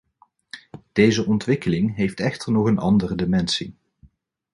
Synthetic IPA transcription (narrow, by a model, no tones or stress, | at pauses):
d̥ejzəʔɔntʋɪkəlɪŋɦejftɛχtəɹnɔχənʔɑndərədɪmɛnsi